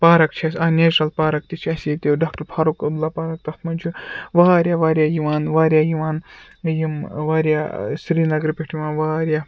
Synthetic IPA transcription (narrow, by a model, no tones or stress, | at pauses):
paːɾɐkt͡ʃʰiɐsaːneːʈɐlpaːɾɐkt̪it͡ʃʰɐsit̪ewɖaːk̚ʈɐɾpʰaːɾukɐblaːpaːɾɐk̚t̪ɐt̪ʰmɐnʲt͡ʃʰuʋaːɾjaːʋaːɾʲjaːjiʋaːnʋaːɾjaːjiʋaːn | jimʋaːɾjasɾiːnɐɡɾpʲeʈʰiʋãːnʋaːɾja